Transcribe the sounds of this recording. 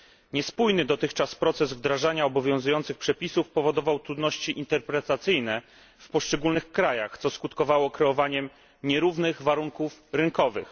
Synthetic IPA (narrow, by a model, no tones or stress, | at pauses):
ɲɛspujnɘd̪ɔt̪ɘxt͡ʂaspɾɔt̪sɛzvd̪ɾaʐaɲaɔbɔvʲjɔ̃w̃zujɔnt̪sɘxpʂɛpʲisufpɔvɔd̪ɔvawt̪ɾud̪nɔɕt͡ɕiʔint̪ɛɾpɾɛt̪at̪sɘjnɛ | fpɔʂt͡ʂɛɡulnɘxkɾajaxt̪sɔskut̪kɔvawɔkɾɛɔvaɲɛm | ɲɛɾuvnɘɣvaɾuŋkufɾɘŋkɔvɘ̰x